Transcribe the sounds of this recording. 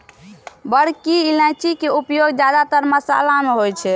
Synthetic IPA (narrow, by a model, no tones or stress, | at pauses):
bəɽkiilãt͡ʃikeupjoɡd͡ʒad̪at̪əɾməsaə̰lameɦojt͡ʃʰɛ